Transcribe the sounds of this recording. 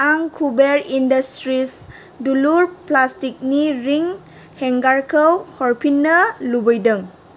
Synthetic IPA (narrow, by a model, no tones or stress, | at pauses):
aŋkʰubeɾindastɾis | duluɾplastik̚niɾiŋ | heŋɡaɾkʰəwhɔɾpʰinːəlubɔjdəŋ